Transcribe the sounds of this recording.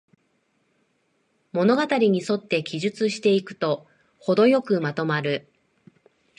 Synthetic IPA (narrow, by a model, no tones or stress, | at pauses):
mo̞no̞ɡat̪aɾʲiɲ̟iso̞t̪ːe̞kʲiʑɨt͡sɨɕi̥t̪e̞ikɯ̟̥t̪o̞ | ho̞d̪o̞jo̞kɯ̟mat̪o̞maɾɯ̟